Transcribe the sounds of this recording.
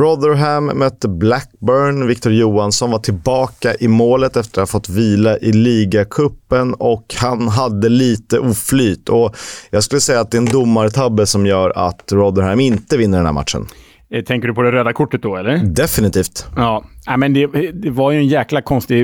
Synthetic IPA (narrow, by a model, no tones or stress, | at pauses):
ɾɔd̪əɾɦæmːœt̪ːəblæk̚bœɳvɪkt̪ʊɾjuːansɔnvaʈʰɪlbɑːkaʔɪmoːlət̪ɛft̪əɾafɔt̪ːviːlaʔɪliːɡakʰɵpːənɔkhanɦad̪ːəliːt̪əʔuːflyːt̪ʰɔjɑːɡskɵlːəsɛjːaːt̪̚d̪ɛɛnd̪ʊmːaɾət̪ʰabːəsɔmjœːɾa̰t̪ɾɔd̪əɾhæmɪnt̪əvɪnːəɾɖɛnhæ̰ma̰t̪ʂə̰n | t̪ʰɛŋkəɖɵpʰɔd̪ɛɾøːd̪akʰʊʈːət̪̚d̪ɔɛlːəɾd̪ɛfɪnɪt̪ʰiːft̪ɑːnɛmɛnd̪ɛd̪ɛvaɾjɵɛnjæːklakʰɔnst̪ɪ